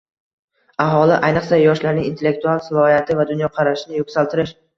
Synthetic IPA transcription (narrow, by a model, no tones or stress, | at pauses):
aɦɒlˠɪʔajnɨqsajɒʃlaɾnɪŋint̪ʰe̞lːek̚t̪ʰualˠsɪlˠɒhijat̪ʰɪvad̪ʊnjɒqʰɑɾaʃɪnɪjoksalt̪ʰɪɾɪʃ